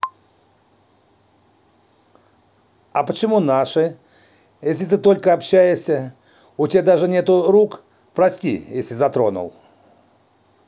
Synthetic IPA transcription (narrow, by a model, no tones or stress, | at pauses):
ɐpət͡ɕɪmunaʂɨ | jesʲlʲɪt̪ɨt̪o̞lʲkəɐpɕːæjɪʂsʲə | ʊtʲad̪aʐɨnʲet̪ʊɾuk | pɾɐsʲtʲḭjesʲlʲɪzɐt̪ɾo̞nʊ̰lˠ